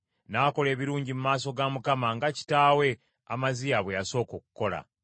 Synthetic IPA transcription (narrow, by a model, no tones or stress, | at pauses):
nako̞le̞ːβiɾuːɲɟimumaːso̞ɡamukamaŋɡaci̥taːwe̞ | a̰mazijaβwejaso̞ːkokuko̞la̰